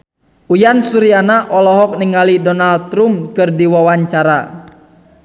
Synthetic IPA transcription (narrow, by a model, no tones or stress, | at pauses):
ujansuɾianaʔɔlɔɦɔk̚niŋalidɔnal̚t̪ɾumkɨrdiwawaɲt͡ʃaɾa̰